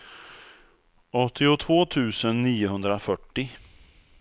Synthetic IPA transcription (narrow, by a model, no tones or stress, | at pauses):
ɔt̪ʰːɪʊt̪ʰvoːt̪ʰʉ̟ːsənːiːʊɦɵnd̪ɾafœʈːɪ